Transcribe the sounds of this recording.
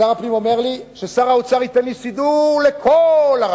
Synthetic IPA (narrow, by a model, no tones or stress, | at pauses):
aʁaplimo̞me̞ʁliʃesaʁaut͡saʁit̪enlisid̪uʁlekʰolaʁ